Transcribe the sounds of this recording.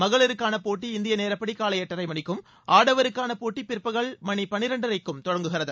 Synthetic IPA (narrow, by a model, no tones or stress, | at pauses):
mɐɣɐɭɪɾɯkːaːnɐpoːʈːiɪnd̪ɪjɐneːɾɐpːɐɽikːaːlɐjɛʈːɐɾɐɪmɐɳɪkːɯm | ʔaːɽɐʋɐɾɯkːaːnɐpoːʈːipɪrpːɐɣɐɭmɐɳipɐnɪɾɐɳɖɐɾɐɪkːɯmt̪ɔɻɐŋɡɯɣɪrɐðɯ